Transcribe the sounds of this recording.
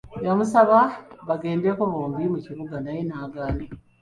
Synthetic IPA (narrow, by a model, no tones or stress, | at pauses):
jamusaβaβaɡe̞ːnde̞koβoːmbimuciβuɡanajenaːɡaːni